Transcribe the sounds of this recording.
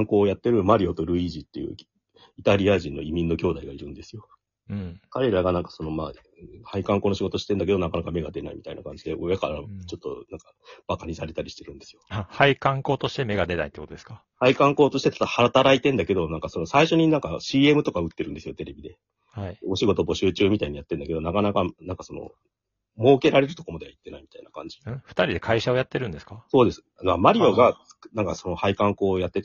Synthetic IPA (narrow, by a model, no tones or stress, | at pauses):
ŋko̞ːjat̪ːe̞ɾɯ̟maɾʲio̞t̪oɾɯ̟iʑit̪ːe̞jɯ̰ | it̪aɾʲiaʑĩnːo̞imʲĩnːo̞kʲo̞ːd̪aiɡaiɾɯ̟̃nd̪e̞sɨjo̞ | ɯ̃kaɾe̞ɾaɡanãŋkḁso̞no̞ma̰ | ɯhaikãŋko̞ːnoɕiɡo̞t̪oɕi̥t̪ẽ̞nd̪ake̞d̪o̞nakanakame̞ɡad̪e̞na̰ḭmʲi̥t̪a̰ina̰kãɲ̟d͡ʑid̪eojakaɾat͡ɕo̞t̪ːo̞̰nãŋka | b̥akaɲ̟isaɾe̞t̪aɾʲiɕi̥t̪e̞ɾɯ̟̃ne̞sɨjo̞ahaikãŋko̞ːt̪o̞ɕi̥t̪e̞me̞ɡad̪e̞na̰it̪ːkot̪oeska | haikãŋko̞ːt̪o̞ɕi̥t̪e̞t̪ḁt̪aahaɾat̪aɾait̪ẽnd̪ake̞d̪o̞nãŋkaso̞no̞saiɕo̞ɲ̟inãŋkaɕiːe̞mɯ̟t̪o̞kaɯ̟t̪ːe̞ɾɯ̟̃nd̪esɨjo̞t̪e̞ɾe̞bʲid̪e̞ | haio̞ɕiɡo̞t̪o̞bo̞ɕɨːt͡ɕɨːmʲit̪aiɲ̟ijat̪ːe̞nd̪ake̞d̪o̞nakanakanãŋkaso̞no̰ | mo̞ːke̞ɾaɾe̞ɾɯ̟t̪o̞ko̞mad̪e̞ait̪ːe̞naimʲit̪ainakã̰ɲ̟d͡ʑi̥ɯ̃ɸɯ̟̥t̪aɾʲid̪e̞kʰaiɕao̞jat̪ːe̞ɾɯ̟̃nd̪e̞sɨ̥kaso̞ːd̪e̞sɨ̥ | mamaɾʲio̞ɡḁ | nãŋkaso̞nohaikãŋko̞ːjat̪ːet̪